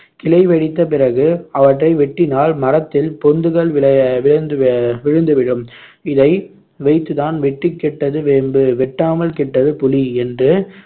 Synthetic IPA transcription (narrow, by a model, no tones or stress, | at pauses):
kɪlɐɪʋɛɽɪt̪ːɐp̬ɪrɐɣɯɐʋɐʈrɐɪʋɛʈːɪnaːɭmɐɾɐt̪ːɪlpɔnd̪ɯɣɐɭɐʋɪnd̪ʋɪɻɯnd̪ɯʋɪɽɯm | ɪðɐɪ | ʋɐɪt̪ːɯðaːnʋɛʈːɪkːɛʈːɐðɯʋmbɯʋɛʈːaːmɐlkɛʈːɐðɯpʊliɛndrɯ